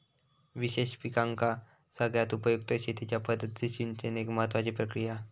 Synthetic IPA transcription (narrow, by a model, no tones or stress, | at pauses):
ʋiɕeɕpikaŋka | səɡɭjat̪upəjuk̚t̪əɕet̪ʰit͡ɕjapəd̪ʱːət̪̚d̪eɕint͡ɕeneɡməɦət̪ʋat͡ɕipɾəkɾija